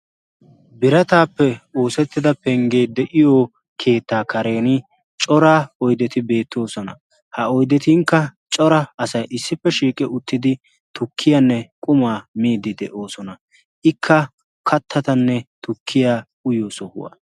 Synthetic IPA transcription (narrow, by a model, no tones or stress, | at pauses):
bɪɾɐt̪aːpːɛo̞ːsɛt̪ːɪd̪ɐpɛŋɡeːd̪ɛʔɪjo | kʰe̞ːt̪ːaːkɐɾe̞ːnɪ | t͡ʃʼɔɾaːɔjd̪ɛt̪ɪbe̞ːt̪ːo̞ːsɔnɐ̰ | hɐɔjd̪ɛt̪iŋkːɐt͡ʃʼɔɾɐɐsɐjʔɪsːɪpːɛʃiːkʼɪʊt̪ːɪd̪ɪ | t̪ʊkʰːɪjanːɛkʼʊmaːmiːd̪ɪd̪ɛʔo̞ːsɔnɐ | ʔɪkʰːɐ | kʰɐt̪ʰːɐt̪ɐnːɛt̪ʊkʰːɪjaː | ʊjoːsɔhʊ̰wa̰ː